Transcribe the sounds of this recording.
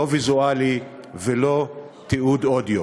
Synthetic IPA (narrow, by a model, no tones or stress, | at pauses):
ovizuali | velo | t̪iud̪od̪jo